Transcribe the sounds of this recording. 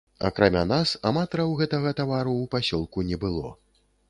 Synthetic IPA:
a̰kɾamʲanasamat̪ɐɾɐwɣɛt̪aɐɣɐt̪avaɾuːpasʲɔlˠkunʲɛbɨlˠɔ

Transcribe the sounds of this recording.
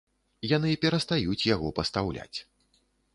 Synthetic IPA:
janɨpʲɛɾɐst̪ajut͡sʲjaɣɔpɐst̪awlʲa̰t͡sʲ

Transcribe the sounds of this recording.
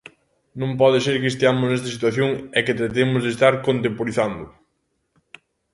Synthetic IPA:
nõmpɔðɪseɾkɪest̪eamʊsnɛst̪ɐsit̪waθjoŋɛkɪt̪ɾat̪emʊzðest̪aɾkont̪empoɾiθand̪ʊ

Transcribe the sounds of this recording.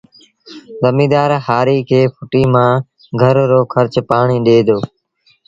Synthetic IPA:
ɣəmiːd̪aːɾhaːɾiːkʰeːpʰʊʈiːmãː | ɡʱəɾɾoːkʰəɾt͡ʃpaːɳ̃iːɗeːd̪oː

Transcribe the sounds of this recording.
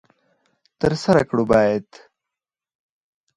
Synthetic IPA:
t̪ɐɾsɐɾɐkɽubaːjet̪

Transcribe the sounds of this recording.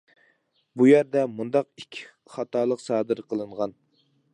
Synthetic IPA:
bujæɾd̪ɛmund̪ɑqikʲʰːi̥ | χɑt̪ʰɑːlˠəqsɑːd̪ɨɾqʰəlˠɨɴʁɑn

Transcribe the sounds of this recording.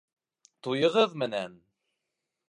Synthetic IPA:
t̪ʊjəʁəðˤmənæn

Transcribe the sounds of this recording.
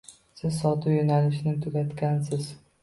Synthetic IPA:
sɪzsɒt̪ʰʊjonalɪʃnɪt̪ʰʊɡʲat̪kʲansɪz

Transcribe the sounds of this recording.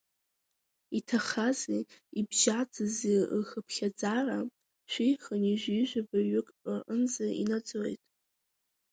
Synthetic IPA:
itʰaχaziibʒad͡zɨzixəpʰχʲad͡zara | ʃᶣʷijχəniʒʷiʒʷᶣabaɥʏkʼʔɨnzaḭnad͡zojtʼ

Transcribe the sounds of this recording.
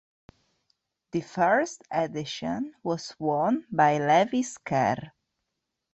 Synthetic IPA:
ðɨfɜɹstɛdɪʃə̃nwɔzwɔ̃nbajlɛviskʰɛ̰ɾ

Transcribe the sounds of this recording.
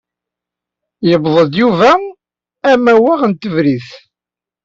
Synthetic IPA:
jəbðˤəðjuvæ | æmæwaʁənt̪əvɾiθ

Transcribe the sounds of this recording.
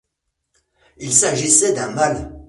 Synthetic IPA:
ilsaʒisɛd̪ɛ̃mal

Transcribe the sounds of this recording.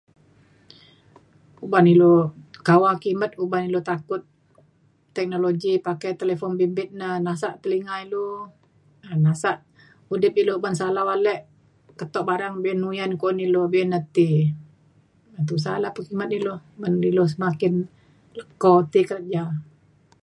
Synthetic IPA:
ubanilokawakimət̪̚ubanilot̪akʊt̪̚ː | ɛk̚noloɡipakajt̪elefɔnbimbɪt̪̚nənasaʔt̪əliŋailo | ənasaʔ | udɪp̚ilobansalawalɛʔ | kət̪ɔʔbaɾaŋbiɛnːujankonilobiɛnːət̪i | ət̪̬us̬alapəkimət̪̚ilobanilos̬əmakɪn | ləkɔt̪ikəɾət̪̚d͡ʒa

